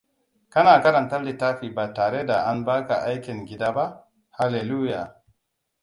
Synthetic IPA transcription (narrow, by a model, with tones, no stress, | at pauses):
kɐ˦naː˨kɐ˦ɾɐ˨ntɐ˦ɾli˨taː˦ɸi˨baː˨taː˨ɾe˦da˨ʔa˦nbaː˦ka̰˨ʔa˦jkʲɪ˨ŋɡʲɪ˦daː˦ba˦ | ha˨le˨lu˦ja˨